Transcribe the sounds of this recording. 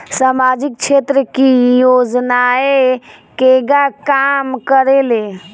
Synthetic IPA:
samaːd͡ʒɪk̚t͡ʃʰeːt̪ɾəkijoːd͡ʒnaekeɡakamkəɾele

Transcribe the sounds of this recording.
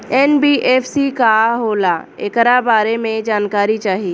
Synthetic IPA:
ɛːnbiːʔeːpʰsikaɦoːlaekɾabaːɾemẽd͡ʒaːnkaːɾit͡ʃaːɦiː

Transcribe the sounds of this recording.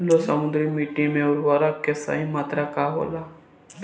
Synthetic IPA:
losəmʊd̪ɾimiːʈimẽʊɾʋaːɾakːesa̰ɦimaːt̪ɾakaɦo̰la

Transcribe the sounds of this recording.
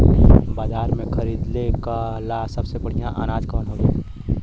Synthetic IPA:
baːd͡ʒaːɾmẽkʰəɾid̪lekalasəbsebəɽ̤ijãʔa̰naːd͡ʒkɔnɦolo

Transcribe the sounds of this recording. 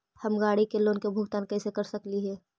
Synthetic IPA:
həmɡaːɽikelõnkebʱʊɡt̪aːnkɛsekəɾsəkliɦɛː

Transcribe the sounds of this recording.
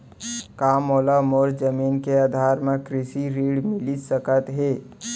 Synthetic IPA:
kaːmoːlamoːɾd͡ʒəmiːnkeaːd̪ʱaːɾmẽkɾɪsiɾiːɽmɪlisəkət̪ɦeː

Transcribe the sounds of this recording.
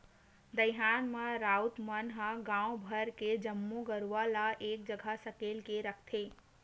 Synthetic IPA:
d̪əjɦaːnmãɾaːut̪mənɦãɡãːwbʱəɾked͡ʒəmːuɡəɾuʋalaʔeːk̚d͡ʒəɡʱasəkeːlkeɾəkʰt̪ʰeː

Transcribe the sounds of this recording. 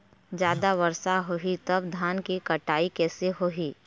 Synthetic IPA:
d͡ʒjaːd̪aʋɐɾsaɦoɦit̪ɐbd̪ʱaːnkikɐʈaːikɛːseɦoɦiː

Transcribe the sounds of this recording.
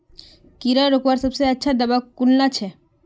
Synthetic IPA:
kiɾəɾokʋaɾsəbseətːʃʰad̪əbakulnat͡ʃʰe

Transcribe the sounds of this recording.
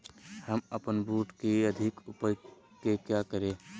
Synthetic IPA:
həməpənbuːʈkiəd̪ʱɪkʊpəj | kekjakəɾe

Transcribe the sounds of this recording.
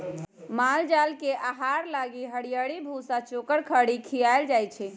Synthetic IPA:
mald͡ʒalkeʔaɦaɾlaɡiɦəɽijaɽibʱusat͡ʃokəɽkʰəɽikʰijaeld͡ʒajt͡ʃʰɛ

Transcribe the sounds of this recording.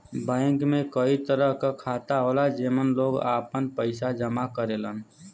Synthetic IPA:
bə̃ɪŋkmẽkəit̪əɾəɦkakʰat̪aɦoːlad͡ʒemənloːɡa̰ːpənpəɪsad͡ʒəmakəɾelən

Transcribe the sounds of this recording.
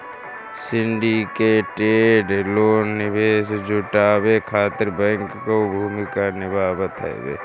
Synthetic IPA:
sɪɳɖikeʈeːɖloːnːɪbeːsd͡ʒʱʊʈaːbekʰaːt̪ɪɾbɛ̃ːŋkːobʱuːmɪkanɪbaːbət̪ɛ̰bḛː

